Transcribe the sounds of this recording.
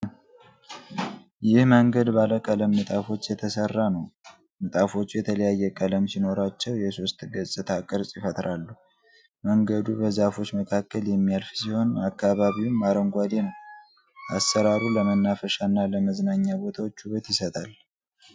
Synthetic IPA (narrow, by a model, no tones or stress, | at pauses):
jɪhməŋɡəd̪baləkʼələmːɨt̪ʼafo̞t͡ʃːjɛt̪ʰəsərːanəw | mɨt̪ʼafo̞t͡ʃːujɛt̪ʰələjajːɛkʼələmsino̞ɾat͡ʃːɛwjɛso̞st̪ɡəsʼɨt̪ʰakʼɨɾsʼjɪfət̪ɾalːu | məŋɡəd̪ubəzafo̞t͡ʃːməkʰakːəljɛmːijalfsiho̞nakːaβaβiwnːaɾəŋɡʷad̪enəw | asːəɾaɾuləmənːafəʃanːaləməznaɲːabo̞t̪ʰawo̞t͡ʃːhuβət̪jɪsət̪ʼal